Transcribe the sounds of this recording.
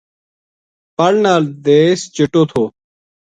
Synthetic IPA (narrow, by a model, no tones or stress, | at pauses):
pəɽnaːld̪eːst͡ʃɪʈoːt̪ʰoː